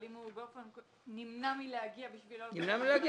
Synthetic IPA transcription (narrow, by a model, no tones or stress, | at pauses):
limubefank | nimnamileaɡiabiʃvilonimnamileaɡi